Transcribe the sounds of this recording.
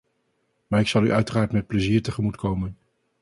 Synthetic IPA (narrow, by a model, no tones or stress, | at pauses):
maːɹɪksɑlˠyʔœɥtəraːɹtmɛt̚pləziːɹtəχəmutkʰowmən